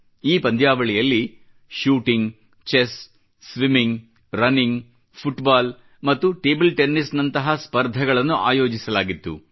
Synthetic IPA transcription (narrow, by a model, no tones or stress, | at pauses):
iːpɐnd̪ʱjaːʋɐɭijɐlːi | ʃuːʈiŋɡ | t͡ʃes | sʋimiŋɡ | ɾɐniŋɡ | pʰuʈbaːl | mɐt̪ːuʈe̞ːbɐlʈenːisnɐnt̪ɐɦɐspɐɾd̪ʱɐɡɐɭɐnːuʔa̰ːjo̞ːd͡ʒisɐlaːɡit̪ːṵ